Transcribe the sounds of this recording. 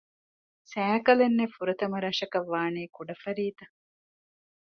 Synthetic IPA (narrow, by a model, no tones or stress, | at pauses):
sæːkɐlenːefuɾɐt̪ɐmɐɾɐʃɐkɐʋːaːniːkuɖɐfɐɾiːt̪ɐ